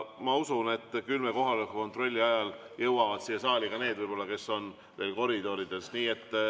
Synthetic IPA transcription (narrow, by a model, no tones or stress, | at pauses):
mɑusune̞t̪ːkylmeko̞ɦɑlkɑkko̞nt̪ˑro̞lʲːiɑjɑl | jɤ̞wɑvɑd̪̥siːesɑːlʲiɡ̥ɑne̞ːd̪vɯjb̥o̞lːɑke̞sːo̞n | ve̞ːlko̞ɾid̪̥o̞ɾid̪̥e̞sniːe̞t̪ˑː